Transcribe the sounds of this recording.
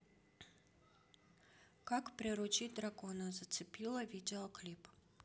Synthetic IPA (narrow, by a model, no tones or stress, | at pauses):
kakpɾʲɪɾʊt͡ɕitʲd̪ɾakonəzət̪sɨpʲilˠəvʲidʲɪoklʲip